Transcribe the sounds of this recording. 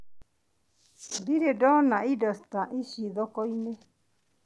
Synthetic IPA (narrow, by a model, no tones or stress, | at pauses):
biɾeɖonãiɖəst̪aʔiʃiðokoinẽ